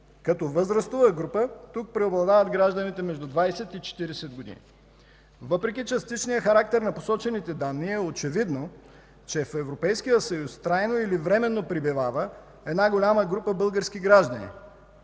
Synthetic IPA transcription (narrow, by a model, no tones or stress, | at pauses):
kɐt̪ɔvəzɾɐst̪uvəɡɾupət̪uk̚pɾɛoblˠɐd̪avət̪ɡɾaʒd̪ənit̪ɛmɛʒd̪ud̪vajsɛt̪it͡ʃɛ̥t̪iɾɛsɛd̪̚ɡod̪ḭnḭ | vəpɾɛk̬ʲit͡ʃɐst̪it͡ʃnijəxɐɾak̚t̪ɛɾnɐposɔt͡ʃɛnit̪ɛd̪anːiɛot͡ʃɛvid̪no | t͡ʃɛfɛvɾopɛjskijəsɐjust̪ɾajnoilivɾɛmɛnːopɾibivavə | ɛd̪naɡolʲaməɡɾupəbɤlˠɡəɾsk̟iɡɾaʒd̪ɐnḭ